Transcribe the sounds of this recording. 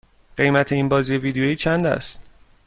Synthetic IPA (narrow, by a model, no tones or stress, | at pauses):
ɢe̞jmæt̪ʰe̞iːnbɒːziːje̞viːd̪eojiːt͡ʃʰænd̪æ̰st̪